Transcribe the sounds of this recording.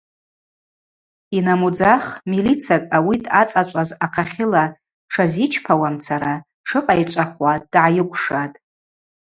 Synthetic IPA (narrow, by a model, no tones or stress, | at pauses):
inamud͡zaχmilit͡sʰakʼawitʰʼat͡sʼat͡ʃʷʼazaqʰaχʲɪla | ʈ͡ʂʰazit͡ʃʰpʰawamt͡sʰaɾa | ʈ͡ʂʰɨqʼajt͡ʃʷʼaχwad̥ʕajɪkʷʼʂatʼ